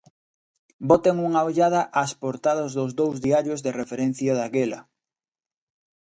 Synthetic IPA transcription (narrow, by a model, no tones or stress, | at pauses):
bot̪eŋuŋaoʎað̞ɐʔaspoɾt̪aðozðʊzðowzðiaɾjozðerefeɾen̟θjaðaɣelɐ